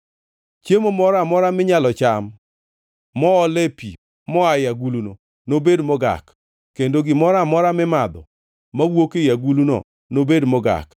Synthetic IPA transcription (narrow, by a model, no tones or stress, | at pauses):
t͡ʃjemomɔɾamɔɾamɪɲalɔt͡ʃamː | ɔːlepi | mɔajaɡuluno | nobedmɔɡa̰k | kendoɡɪmɔɾamɔɾamɪmad̪ɔ̰ | mawokejaɡulunɔ̰ | nobedmɔɡa̰k